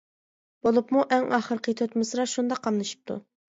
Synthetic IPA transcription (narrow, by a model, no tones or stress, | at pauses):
b̥olˠupmuʔɛŋɑχəɾqʰət̪ʰøt̪mɪsɾɑʃund̪ɑqʰːɑmnɨʃi̥p̚t̪ʰṵ